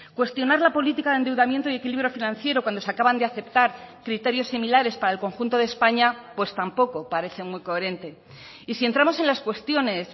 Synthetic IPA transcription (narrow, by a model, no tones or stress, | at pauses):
kwe̞st̪jo̞naɾlapo̞lit̪ikaðend̪e̞wðamje̞nt̪oie̞kiliβɾjo̞finãnθje̞ɾokwand̪oeakaβand̪eaθe̞pt̪aɾkɾit̪e̞ɾjo̞sːimilaɾe̞spaɾaelko̞ŋxunt̪o̞ðespaɲapwe̞st̪ampo̞ko̞paɾe̞θe̞mwiko̞eɾe̞nt̪e̞ | isie̞nt̪ɾamo̞se̞nlaskwe̞st̪jo̞ne̞s